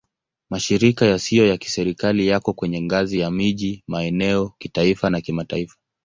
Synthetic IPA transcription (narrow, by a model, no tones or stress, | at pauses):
maʃiɾikajasijɔjaki̥sɛɾikalijakɔkwɛɲɛŋɡazijamiʄimaɛnɛɔkitaifanakimataifḁ